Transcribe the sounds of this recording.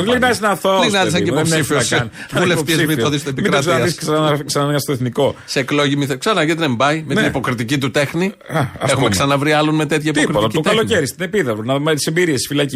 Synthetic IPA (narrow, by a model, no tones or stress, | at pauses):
linɐiznɐθolinɐðis̬ɐɲeipopsifiosvulefiezmiθoðist̪epimikɾtzɐisksɐnɐksɐnɐnɐɐst̪oeθniko̞seːklo̞ʝimiθeksɐnɐʝet̪nembɐjmet̪nipo̞kɾit̪icit̪ut̪e̞xniɐɐ̰exumekssɐnɐvɾiɐlonmet̪e̞t̪çɐit̪pokɾit̪it̪ɐlonceɾist̪inepiðɐboɾnɐomet̪i̥sembiɾiesi̥filɐci